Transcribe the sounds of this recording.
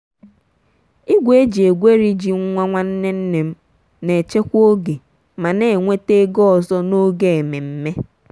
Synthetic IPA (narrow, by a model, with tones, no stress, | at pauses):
i˦ɡʷe˦d͡ʒi˨e˨ɡʷe˦ɾi˦d͡ʒi˨ŋ̩˦ŋʷa˦ŋʷa˦n̩˦ne˦n̩˦ne˨m̩˦ | ne˨t͡ʃe˦kʷo˦ɡe˨ | ma˨ne˨ŋʷe˦te˦ɡɔ˦ɔ˨zɔ˦no˦ɡe˦e˨me˨m̩˦me˦